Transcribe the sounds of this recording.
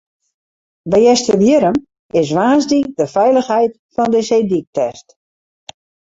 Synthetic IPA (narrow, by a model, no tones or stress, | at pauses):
bɛjɛstəbjɪɾəm | ɪs̬ʋaːzdik̚dəfɛjləxɦɛjt | fɔndəsedik̚tɛst